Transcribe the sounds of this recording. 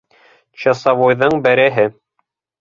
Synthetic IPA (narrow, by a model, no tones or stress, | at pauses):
t͡ɕɑsɑβojðɤɴbæɾæɦɘ